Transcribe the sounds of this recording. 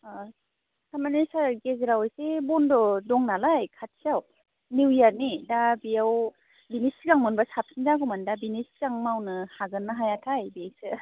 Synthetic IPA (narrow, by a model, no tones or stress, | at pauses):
sʰamanesaɾɡezɾawjsebɔndɔdɔŋnalajkʰat̚sijaw | niwjaɾnidabijaw | binisiɡaŋmɯnbasap̚sinzaɡɔmandabinisiɡaŋmawnɯhaɡɯnːɯɦajatʰajbiasɯ